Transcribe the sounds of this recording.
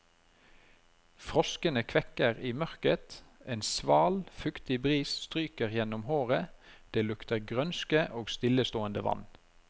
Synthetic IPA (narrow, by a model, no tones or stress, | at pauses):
fʁɔskənəkʰʋɛkəʁiːmœʁkət̪eːnsʋɑːlfʉkt̪ɪbʁiːsst̪ʁyːkəʁjɛnʊmhoːʁəd̪̥eːlʉkt̪əʁɡʁœnskəʔoːɡst̪ɪləst̪oːənd̪əʋɑ̰n